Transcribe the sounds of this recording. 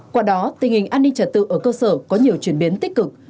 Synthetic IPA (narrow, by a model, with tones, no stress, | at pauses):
kwaː˧˩ɗɔ˨˦t̪ï˨˩ŋ̟hï˨˩ŋ̟ʔaː˧nːi˧ŋ̟t͡ɕə˨˧˩t̚t̪ɨ̰˧˨ʔəː˧˩kəː˧səː˧˩kɔ˨˦ɲi˨˩əwt͡ɕwi˧˩ənɓi˨˦ənt̪i˦˥k̟̚kɨ˨˩k̚